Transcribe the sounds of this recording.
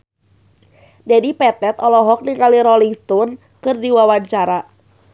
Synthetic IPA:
d͡ʒadipɛt̪ɛt̪ɔlɔɦɔk̚niŋaliɾɔliŋst̪ɔn | kɨrdiwawaɲt͡ʃaɾa

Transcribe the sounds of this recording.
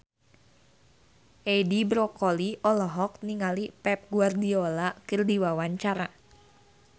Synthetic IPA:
ʔedibɾɔkɔliʔɔlɔɦɔk̚niŋalipɛp̚ɡuardiolakɨrdiwawaɲt͡ʃaɾa

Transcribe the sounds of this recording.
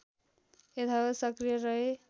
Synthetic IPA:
et̪ʰʌbasʌkrijʌrʌe

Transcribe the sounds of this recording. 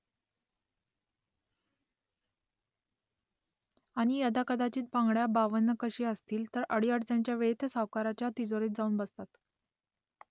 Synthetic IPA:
aɽ̃ijəd̪akəd̪at͡ɕiːt̪̚bãŋɡɽjabaʋənːəkəɕiːəst̪iːlt̪əɾəɽiəʈt͡sant͡ɕjaʋeɭet̪ʰəsəwkaɾat͡ɕjat̪id͡zoɾiːt̪d͡zauːnbəst̪at̪

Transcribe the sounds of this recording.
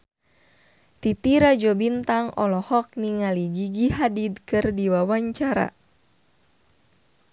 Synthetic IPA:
t̪it̪iɾad͡ʒɔbint̪aŋɔ̰lɔhɔk̚niŋaliɡiɡiɦadid̪kɨrdiwawaɲt͡ʃaɾa̰

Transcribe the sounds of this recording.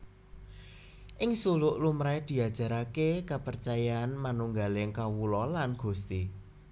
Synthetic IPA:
ʔɪŋsulʊʔlumɾajd̪̥i̤a̤d̥ʒ̥a̤ɾakekapərt͡ʃajaːnmanuŋɡalɪŋkawulɔlanɡ̥ṳst̪i

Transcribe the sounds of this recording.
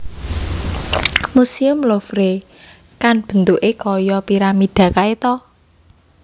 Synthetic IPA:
musiʊmlofɾe | kanb̥ə̤nt̪uʔekɔjɔpiɾamid̪̥ä̤kaet̪ɔ

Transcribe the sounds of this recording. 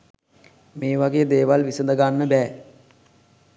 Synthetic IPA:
meːʋaɡeːd̪eːʋalʋisənd̪əɡanːəbɛː

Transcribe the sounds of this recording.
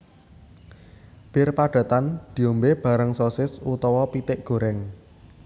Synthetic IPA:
b̥ɪrpaɖ̥ä̤t̪and̪̥i̤ombeb̥ä̤ɾəŋsosɪsut̪ɔwɔpit̪ɪʔɡ̥o̤ɾɛŋ

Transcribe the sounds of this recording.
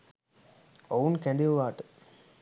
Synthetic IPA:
ounkɛ̃nd̪iʋʋaːʈɨ̥

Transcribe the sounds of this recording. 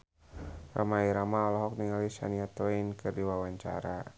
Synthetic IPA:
ra̰maiɾamaɔlɔɦɔk̚niŋalisa̰niat̪ɔinkɨrdiwawaɲt͡ʃa̰ɾa

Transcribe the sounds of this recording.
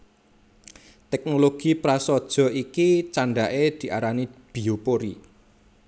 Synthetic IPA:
t̪ɛk̚noloɡ̥i̤pɾasɔd̥ʒ̥ɔ̤ikit͡ʃaɳɖaʔed̪̥i̤ʔaɾanib̥i̤opoɾi

